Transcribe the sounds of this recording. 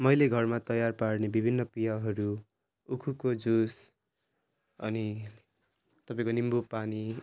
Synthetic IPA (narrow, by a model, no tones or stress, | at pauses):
mʌjleɡʱʌrmat̪ʌjarpaɽnebibʱinːʌpijaɦʌɾu | ukʰukod͡zus | ʌ̰ni | t̪ʌpãĩkonimbupani